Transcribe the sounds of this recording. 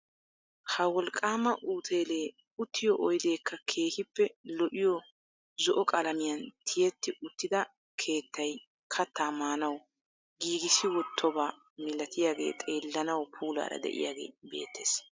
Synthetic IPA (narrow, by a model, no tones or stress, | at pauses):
hɐwɔlkʼːaːmɐʔuːt̪ʰe̞ːleː | ʊt̪ːɪjɔʔɔjd̪e̞ːkʰːɐkʰe̞ːhɪpːɛlɔʔɪjɔ | zɔʔɔkʼɐlɐmɪjɐnt̪ʰɪjɛt̪ːɪʔʊt̪ːɪd̪ɐ | kʰe̞ːt̪ːɐj | kʰɐt̪ːaːmaːnɐw | ɡiːɡɪsɪwɔt̪ʰːɔbaː | mɪlɐt̪ɪjaːɡe̞̰ːt̪ʼe̞ːlːɐnɐwpʰuːla̰ːɾɐ̰d̪ɛ̰ʔɪ̰jaːɡe̞̰ːbḛːt̪ːe̞ːs